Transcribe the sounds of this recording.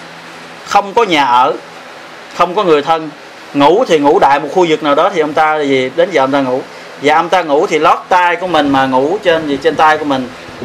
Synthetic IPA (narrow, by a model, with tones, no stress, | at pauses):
xə˧wŋ͡mkɔ˨˦ɲaː˨˩ʔəː˧˩ | xə˧wŋ͡mkɔ˨˦ŋɨ˨˩əjt̪ʰə˧n | ŋu˧˥t̪ʰi˨˩ŋṵ˧˥ɗa̰ː˧˨jmo˨˩t̚xu˧zɨ˨˩k̚naː˨˩wɗɔ˨˦t̪ʰi˨˩ʔə˧wŋ͡mt̪aː˧˨zi˨˩ɗe˨˦nzəː˨˩ʔə˧wŋ͡mt̪aː˧ŋṵ˧˩˥ | vaː˨˩ʔə˧wŋ͡mt̪aː˧ŋu˧˥t̪ʰi˨˩lɔ˦˥t̚t̪aː˧jku˧˩əmï˨˩ŋ̟maː˨˩ŋu˧˩˥t͡ɕe˧n˨˩t͡ɕe˧nt̪aː˧jku˧əmï˨˩ŋ̟